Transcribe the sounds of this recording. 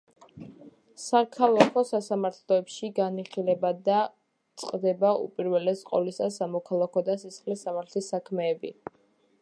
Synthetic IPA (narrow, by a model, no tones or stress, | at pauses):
sakʰalˠakʰɔsasamaɾt̪ʰlˠɔɛpʃiɡaniχilɛbad̪a | t̪sʼqʼd̪ɛbaṵpʼiɾvɛlɛsqʼɔ̰lisasamɔkʰalˠakʰɔd̪asisχlisːamaɾt̪ʰlisakʰmɛːbḭ